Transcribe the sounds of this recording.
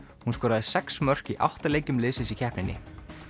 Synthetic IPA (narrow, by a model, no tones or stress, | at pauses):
hunskɔːɾaðɪsɛksmœr̥ciʔa̰wht̪alejcʏmlɪːsɪsicʰɛhpnɪnːɪ̰